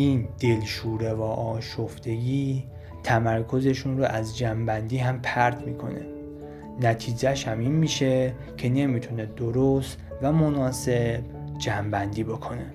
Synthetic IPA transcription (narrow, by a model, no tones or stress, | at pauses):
iːnd̪̥e̞lʃuːɾevɒːʔɒːʃoft̪e̞ɡiː | t̪ʰæmæɾkʰo̞ze̞ʃunɾoʔæzd͡ʒæmbænd̪iːɦæmpʰæɾt̪ʰmiːkʰo̞̰nḛ | næt̪ʰiːd͡ʒæʃhæmiːnmiːʃe̞ | cʰe̞ne̞mit̪ʰuned̪oɾost̪ | væmonɒːse̞bd͡ʒæmbænd̪iːbokʰo̞ne